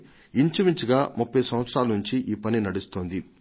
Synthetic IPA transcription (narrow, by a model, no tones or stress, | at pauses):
iɲt͡ʃumiɲt͡ʃuɡaːmupːɐjsɐmʋɐt̪sɾaːlɐnuɲt͡ʃiʔiːpɐninɐɽust̪oːnd̪i